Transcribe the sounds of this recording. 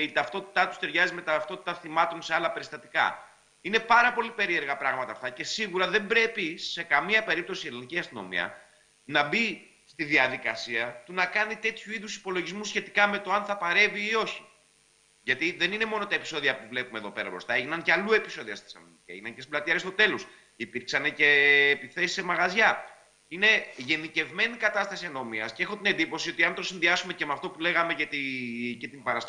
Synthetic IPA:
it̪ɐft̪o̞t̪i̥t̪ɐt̪ust̪e̞ɾʝɐzime̞t̪ɐft̪o̞t̪it̪ɐθimɐt̪o̞nseɐlɐpe̞ɾist̪ɐt̪i̥kɐ̰ | ine̞pɐɾɐpo̞lipe̞ɾieɾɣɐpɾɐɣmɐt̪ɐːft̪ɐce̞siɣuɾɐðe̞mbɾe̞pise̞kɐmiɐpe̞ɾip̚t̪o̞sieɾliniciɐst̪ino̞̰mḭɐ̰ | nɐbi | st̪iðiɐðikɐsiɐt̪unɐkɐnit̪e̞t̪çuiðusi̥po̞lo̞ʝizmusçe̞t̪i̥kɐme̞t̪o̞ɐnθɐpɐɾe̞viːo̞çi̥ | ʝɐt̪iðe̞nine̞mo̞no̞t̪ɐe̞pi̥so̞ðiɐpuvle̞pumeðo̞pe̞ɾɐbɾo̞̰st̪ɐeʝinɐncɐlue̞pi̥so̞ðiɐst̪i̥sɐ̰n | eʝinɐncest̪iblɐt̪iɐɾest̪o̞t̪e̞lo̞s | ipiɾksɐne̞ce̞ːpiθe̞si̥se̞mɐɣɐzʝɐ | ine̞ʝe̞nðice̞vme̞nikɐt̪ɐst̪ɐsieno̞miɐsceexo̞t̪ine̞nd̪ipo̞sio̞t̪iɐnt̪o̞sinðiɐsume̞cemɐft̪o̞pule̞ɣɐme̞cet̪ice̞t̪imbɐɾɐst

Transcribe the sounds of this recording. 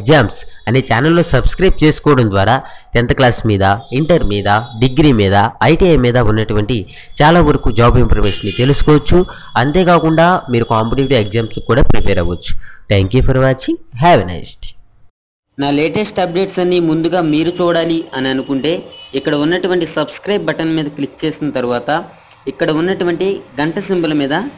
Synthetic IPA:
eɡd͡ʒaːmsɐneːt͡ʃaːnɐlːo̞ːsɐbskɾɐjp̚ʈ̚t͡ʃe̞ːsu̥kɔːɐɽɐmnd̪ʋaːɾaːt̪ɛnt̪ɐklaːsmiːd̪ɐiɳʈɐɾmiːd̪ɐɖiɡɾiːmiːd̪ɐɐjʈiɐjmiːd̪ɐunːɐʈuʋɐɳʈi | t͡ʃaːlaːʋɐɾɐkud͡ʒaːbimpʰɐɾmeːʂɐnːit̪e̞lusu̥kɔːʋɐt͡ʃːu | ɐnt̪e̞ːkaːkuɳɖaːmiːɾukaːmpɐʈiʋiʈiekzaːmskuːɽaːpɾipɛːɾɐ̰ʋɐt͡ʃːu̥t̪ʰeːŋkjupʰɐɾʋɐt͡ʃiɦaːʋinɐ̰jsʈ | naːleːʈesʈɐb̚ɾeːʈsɐnːiːmund̪uɡaːmiːɾut͡ʃuːɽaːliɐniɐnukuɳʈe̞ːikːɐɽɐunːɐʈuʋɐɳʈisɐbskɾɐjbbɐʈɐnmiːd̪ɐklik̚t͡ʃe̞ːsinɐt̪ɐɾuʋaːt̪ɐ | ikːɐɽɐunːɐʈuʋɐɳʈiɡɐɳʈɐsimbɐlɐmiːd̪ɐ

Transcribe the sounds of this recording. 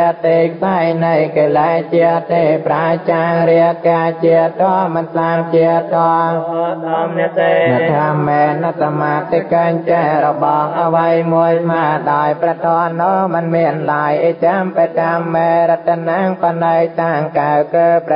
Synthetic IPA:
ət̪eːkʰsajnɨjkəːlat͡ɕiət̪ːeːpraət͡ɕaːŋɾiəkaːt͡ɕiət̪ʰɔəmənt̪ʰlaːŋt͡ɕiət̪ʰːoə | nɛʔt̪ʰamːɛːnːasamaːt̪ːikəɲt͡ɕaɾɔɓɑːŋʔaʋəjmuəjsʰmaːɗaɔjprɛt̪ʰɔənoːmɨnmiənlajʔet͡ɕampət͡ɕamːeːɾət̪̚ʰːənaːŋpənəwt̪aːŋkawkəːp

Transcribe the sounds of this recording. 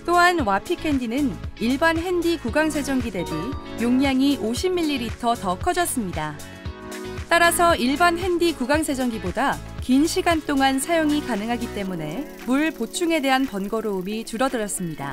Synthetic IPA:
t͈oɦanwapʰikʰe̞ndinɯniɭbanɦe̞ndikuɡaŋsʰe̞d͡ʑʌŋɡide̞bijoŋɲaŋiʔoɕʰimːiʎːiɾitʰʌtʌkʰʌd͡ʑʌs͈ɯmɲida | t͈aɾasʰʌiɭbanɦe̞ndikuɡaŋsʰe̞d͡ʑʌŋɡibodakinɕʰiɡant͈oŋansʰajoŋikanɯŋɦaɡit͈e̞mune̞ | muɭpot͡ɕʰuŋe̞de̞ɦanpʌnɡʌɾoumit͡ɕuɾʌdɯɾʌs͈ɯmɲida̰

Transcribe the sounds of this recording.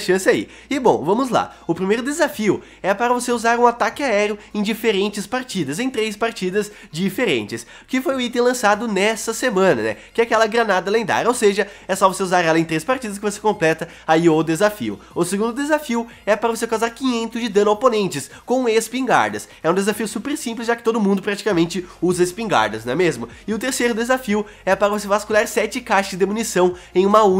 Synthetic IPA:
ʃɐ̃sɪaḭ | ɪbõw̃vɐ̃mʊzla̰ʊpɾimejɾʊd̪ezafiʊ | ɛpaɾɐvoseuzaɾũat̪akɪaɛɾʊẽj̃d͡ʒifeɾẽnt͡ʃɪspaɾt͡ʃid̪ɐzẽj̃t̪ɾejspaɾt͡ʃid̪ɐz | d͡ʒifeɾḛ̃nt͡ʃɪs | kɪfojʊit̪ẽj̃lɐ̃sad̪ʊnɛsɐsemɐ̃nɐ̰nɛ̰kɪɛakɛlɐɡɾɐnad̪ɐlẽnd̪a̰ɾowseʒɐ | ɛsɔvoseuzaɾɛlɐẽt̪ɾejspaɾt͡ʃid̪ɐs̬kɪvose̥kõmplɛt̪ɐ | aiod̪ezafḭʊ̰ | ʊseɡũnd̪ʊd̪ezafiʊ | ɛpɐɾɐvosekawzaɾkĩɲẽnt̪ʊzd͡ʒɪd̪ɐ̃nʊoponẽnt͡ʃɪs | kõw̃espĩŋɡa̰ɾd̪ɐs | ɛũd̪ezafiʊsupeɾsĩmplɪzʒakɪ̥t̪od̪ʊmũnd̪ʊpɾat͡ʃi̥kamẽnt͡ʃɪuzɐespĩŋɡa̰ɾd̪ɐznɛmezmʊ | ɪʊt̪eɾsejɾʊd̪ezafiʊ | ɛpaɾɐvos̬evaskulaɾsɛt͡ʃɪkaʃɐzd͡ʒɪd̪emunisɐ̃w̃ẽj̃ũmɐu

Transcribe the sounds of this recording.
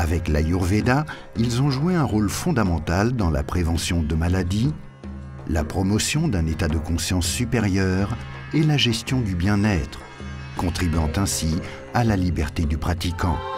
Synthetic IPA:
avɛklajuʁved̪a | ilzɔ̃ʒueɛ̃ʁolfɔ̃d̪amɑ̃t̪ald̪ɑ̃la̰pχevɑ̃sjɔ̃d̪əmalad̪i | la̰pχɔmɔsjɔ̃d̪ɛ̃net̪ad̪əkɔ̃sjɑ̃sːypeʁjœʁ | elaʒɛst̪jɔ̃d̪ybjɛ̃nɛt̪χ | kɔ̃t̪χibɥɑ̃t̪ɛ̃si | alalibɛʁt̪ed̪ypχat̪ikɑ̃

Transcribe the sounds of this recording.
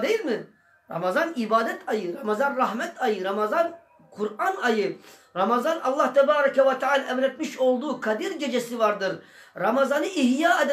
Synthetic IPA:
d̪e̞jilʲmi | ɾa̰mazanibaːd̪ɛt̪ʰajɯɾamazanɾaɦmɛt̪ʰajɯɾamazan | kʰuɾanajɯɾamazanɑlˠːaht̪ʰɛbaːɾakʰɛvat̪ʰɛʕaːlʲʔɛvɾɛt̪̚miʃo̞lˠd̪uːkʰad̪iɾɟe̞d͡ʒesivaɾd̪ɯɾ | ɾamazanɯiɦjaːad̪

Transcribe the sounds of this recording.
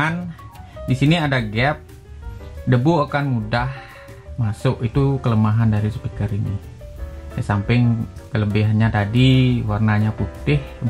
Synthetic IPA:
andisiniadaɡɛp̚ | dəbuakanmudah | masʊʔit̪ukələmaɦandaɾisə̥pikəɾinḭ | jasampɪŋkələbiɦanɲat̪adiwarnaɲaput̪ɪh

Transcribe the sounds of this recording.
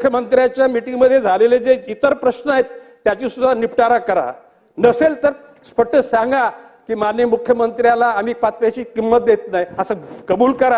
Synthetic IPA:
ukʰjəmənt̪ɾjat͡ɕjamiʈiŋɡməd̪ʱːjed͡zʱaleled͡zeit̪əɾpɾəɕnəaɦet̪ː | jat͡ɕisud̪ʱanipʈaɾakəɾa̰ | nəselt̪əɾ | spəʈʰːəsãŋɡa | kiːmanjəmukʰjəmənt̪ɾjalaːmiːpat͡s̪ʋaɕiːkimːət̪̚d̪et̪najəsəkəbuːlkəɾa

